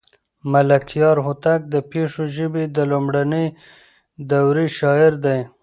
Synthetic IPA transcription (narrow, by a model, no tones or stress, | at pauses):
malakʰjɑɾɦʊt̪ak̚d̪əpeʂoʒəbed̪əlumɽanəj | d̪awɾiʃɑɪɾd̪aj